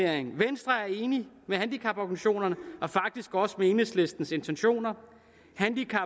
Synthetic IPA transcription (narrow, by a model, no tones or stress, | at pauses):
eɐ̰eŋʋensd̥ʁɐæɐe̝ːni | mehænd̥ikʰɑ̈b̥ɒɡ̥niɕo̝̰ːnɐnəɒ̽fɑ̈ɡ̥̚d̥isɡ̥ɒ̽səme̝ːnesle̝sd̥n̩se̝nt͡sʰenɕo̝̰ːnɐ | hænd̥ikʰɑ